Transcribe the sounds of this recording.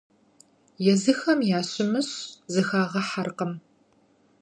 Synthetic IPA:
jɛzɨxɐmjaːɕɪmɨɕzɨxaːʁɐħarqɐm

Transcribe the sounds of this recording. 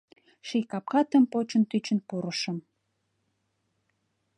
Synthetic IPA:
ʃijkɑp̚kɑt̪ə̆mpot͡ɕə̆nt̪yt͡ɕə̆npuɾəʃə̆m

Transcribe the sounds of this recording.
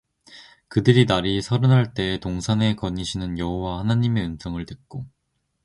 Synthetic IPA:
kɯdɯɾinaɾisʰʌɾɯnɦaɭt͈e̞ːtoŋsʰane̞kʌɲiɕʰinɯnjʌɦowahanaɲime̞ɯnsʰʌŋɯɭtɯk̚k͈o

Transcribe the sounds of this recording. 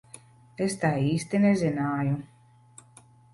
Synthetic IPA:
est̪aːiːst̪inezʲinaːju

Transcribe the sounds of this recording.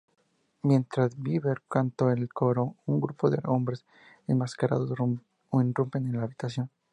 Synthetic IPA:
mje̞nt̪ɾazbiβeɾkant̪oelko̞ɾo̞uŋɡɾupoðḛombɾe̞s | enmaskaɾa̰ðos | inrumpe̞nenlaːβit̪asjo̞n

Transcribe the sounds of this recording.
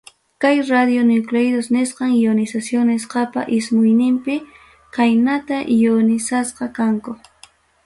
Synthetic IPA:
kajɾad̪jonʊklejd̪osnɪsqɑŋjjonɪsasjonɪsqɑpa̰ʔɪsmʊjnɪmpɪ | kajnat̪aʔjonɪsasqɑkaŋkʊ

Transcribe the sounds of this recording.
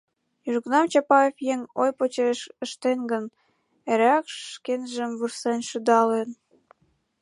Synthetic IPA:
jyʒɣənɑmt͡ɕɑpɑefjeŋojpot͡ɕeʃəʃt̪enɡən | eɾækʃkenʒəmβursenʃyd̪ɑlen

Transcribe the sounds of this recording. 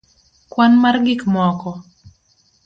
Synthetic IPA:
kwanmarɡɪkmɔkɔ

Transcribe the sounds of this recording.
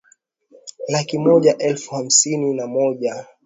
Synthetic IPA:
lakimɔʄaʔɛlfuham̩sininamɔʄa

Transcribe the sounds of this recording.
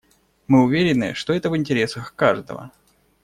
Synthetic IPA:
mɨʊvʲeɾʲɪnːɨ̰ʂt̪o̞ɛt̪əvɨɪnʲtʲɪɾʲe̞səxkaʐd̪ə̰və̰

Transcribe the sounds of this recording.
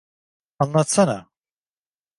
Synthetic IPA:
anlˠat̪sana̰

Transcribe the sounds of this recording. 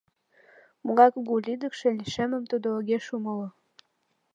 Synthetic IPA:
muɣɑkɣulʲid̪əkʃĕliʃemə̆mt̪ud̪ooɣeʃuməlo

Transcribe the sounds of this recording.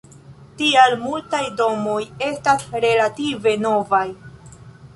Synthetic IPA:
tialmultajdo̞mo̞je̞stasɾe̞lative̞no̞vaj

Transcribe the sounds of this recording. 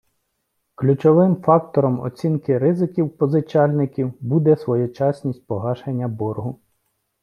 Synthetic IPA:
klʲut͡ʃɔʋɪmfɑkt̪ɔɾɔmɔ̰t͡sʲinkɪɾɪzɪkʲiwpɔzɪt͡ʃɑlʲnɪkʲiwbud̪ɛsʋɔjʊt͡ʃɑsʲnʲisʲt̚ʲpɔɦɑʃenʲːɐbɔrɦʊ

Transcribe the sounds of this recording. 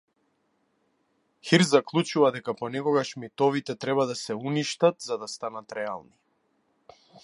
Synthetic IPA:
xiɾzaklˠut͡ʃuvad̪ɛkapɔnɛkɔɡaʃmit̪ɔvit̪ɛt̪ɾɛbad̪asɛuniʃt̪at̪zad̪ast̪anat̪ɾɛa̰lˠni

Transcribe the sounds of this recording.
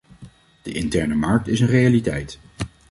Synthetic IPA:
d̥əʔɪntɛɹnəmɑɹk̚tɪsənrejalitɛjt

